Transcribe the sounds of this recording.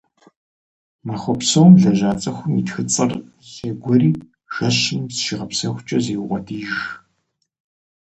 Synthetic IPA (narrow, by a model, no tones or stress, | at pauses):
maχʷɔpsowmʒɐʑaːt͡sʼɐxʷʊmitxɨt͡sʼɐr | zɐɡʷɔɾiː | ʒ̥ɐɕɨmsʃiʁɐpsɐxʷt͡ʃʼɐzeːwqʷʼɔdʰiːʒ